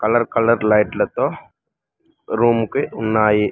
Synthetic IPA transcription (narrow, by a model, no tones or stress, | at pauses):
kɐləɾkɐləɾlaɪʈlɐt̪o | ɾuːmkeʊnːaːje